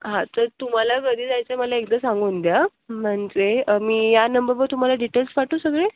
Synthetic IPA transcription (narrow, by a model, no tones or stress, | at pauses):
ɦãt̪əɾt̪um̤alaɡəd̪iːd͡zajt͡seməlaek̚d̪əsãŋɡund̪ja | məɳd͡zeəmiːjanəmbəɾʋəɾt̪um̤alaɖiʈelsʋaʈosəɡɭe